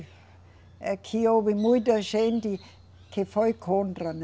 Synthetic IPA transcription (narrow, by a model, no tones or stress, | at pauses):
ɑkʰioʋimuid̪ɑʃend̥̪i | kʰefoikʰond̪rɑn